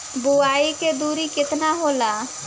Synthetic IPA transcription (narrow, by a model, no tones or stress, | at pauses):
bʊaːiked̪uːɾikɪt̪naɦoːlaː